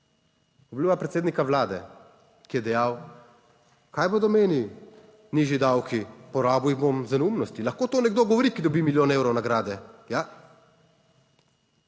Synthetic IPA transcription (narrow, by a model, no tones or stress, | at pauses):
ɔbliːʋapɾɛt̪seːd̪nikaʋlaːd̪ɛ | kijɛd̪ɛjaːw | kaːjboːd̪ɔmeːni | niːʒid̪awkipɔɾaːbujbomzanumnɔst̪ilɐxkoːt̪oːnɛɡ̚d̪oːɡɔʋɔɾikid̪ɔbimiljoːnewɾɔwnaɡɾaːd̪ɛja